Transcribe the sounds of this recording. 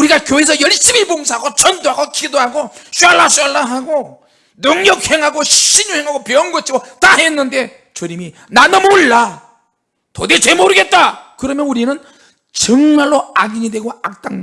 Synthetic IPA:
uɾiɡakjoes̬ʰʌjʌɭɕ͈ibiboŋs̬ʰaɦaɡot͡ɕʌndoɦaɡokʰidoɦaɡoɕ͈uaɭːaɕ͈aɭːaɦaɡo | nɯŋɲʌk̚he̞ŋɦaɡoɕiɲuheŋɦaɡopjʌʌnɡʌt͡ɕʰiɡotaɦenːɯnde̞ | t͡ɕoɾimi | nanʌmoɭːa | todet͡ɕemoɾɯɡe̞t̚t͈akɯɾʌmjʌnuɾinɯn | t͡ɕʌŋmaɭːoaɡiɲidwe̞ɡoak̚t͈aŋ

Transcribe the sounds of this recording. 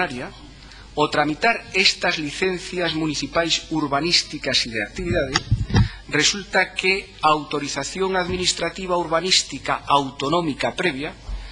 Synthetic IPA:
aɾja | ot̪ɾamit̪aɾest̪ɐzliθen̟θjɐzmuniθipajsuɾβanist̪ikasiðeak̚t̪iβiðað̞ɪ | result̪ɐke | aːwt̪oɾiθaθjoŋaðminist̪ɾat̪iβ̞auɾβanist̪ikaawt̪onɔ̃mikapɾɛβ̞ja

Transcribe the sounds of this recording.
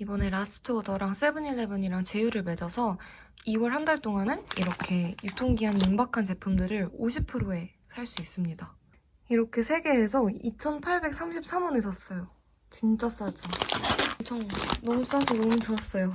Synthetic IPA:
ibʌne̞ɾas͈ʰɯ̥tʰodʌɾaŋs͈ebɯɲiɭːebɯɲiɾaŋt͡ɕe̞juɾɯɭme̞d͡ʑʌsʰʌ | iwʌɭhandaɭt͈oŋanɯniɾʌkʰe̞jutʰoŋɡiɦanimbakʰant͡ɕe̞pʰumdɯɾɯɾoɕʰipʰɯɾoe̞ | sʰaɭs͈uis͈ɯmɲida | iɾʌkʰe̞sʰe̞ɡe̞ɦesʰʌit͡ɕʰʌnpʰaɭbe̞k̚s͈ʰamɕʰip̚s͈amunis͈ʌs͈ʌjo | t͡ɕint͡ɕ͈as͈ad͡ʑʌʌmt͡ɕʰʌŋnʌmus͈asʰonomɯt͡ɕʌs͈ʌjo

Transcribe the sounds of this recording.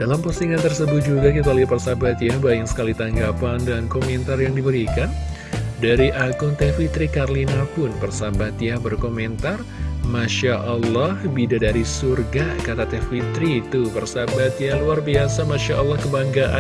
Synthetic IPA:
d̥alampəsiŋant̪ərsəbʊt̪̚d͡ʒuɡakit̪alipərsabat̪jahbaɪŋsə̥kalit̪aŋɡapandankomɛnt̪arjaŋdibəɾikan | daɾiʔaɡʊnt̪ɛfit̪ɾikarlinapʊnpərsabat̪jabərkomɛnt̪ar | maʃaʔalːɔhbidadaɾisurɡakat̪at̪ɛfit̪ɾit̪upərsabat̪jahluarbiasamaʃaʔɔlːɑhkəbaŋɡaʔa̰

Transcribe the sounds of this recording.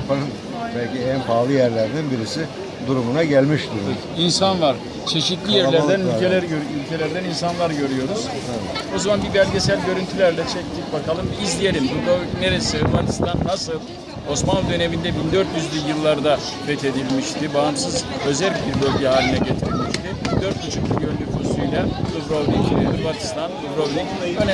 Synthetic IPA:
apʰanɯm | bælʲciænpʰaːlˠɯjæɾlʲæɾd̪ænbiɾisi | d̪uɾumunaɟælʲmiʃd̪uɾ | insanvaɾ̥ | t͡ʃʰe̞ʃit̪lʲijjæɾlʲæɾd̪ænylʲelʲæɾøɾylʲcʰe̞lʲæɾd̪æninsanlˠaɾɟø̞ɾyjo̞ɾuz̥ | o̞zumanbibælʲɟesælʲɟø̞ɾynt̪ʰylʲæɾlʲɛt͡ʃʰɛc̚t̪ʰibakʰalˠɯmizlʲije̞lʲimbud̪aneɾesɯɾmanist̪anːasɯlˠ | o̞smanlˠud̪ø̞ne̞mind̪ɛbind̪øɾt̪jyzlʲijɯlˠːaɾd̪a | ɾɛt̪ʰe̞d̪ilʲmiʃt̪ʰibaːmsɯzø̞zælʲbiɾbølʲɟɛɦaːlʲinɛɟe̞t̪ʰiɾilʲmiʃt̪ʰibind̪øɾt̪̚but͡ʃʰɯk̚bijønnlʲykʰust̪ujlʲad̪ubɾovnid̪uɾbat̪ʰi̥st̪ʰand̪ubɾovlʲicøn

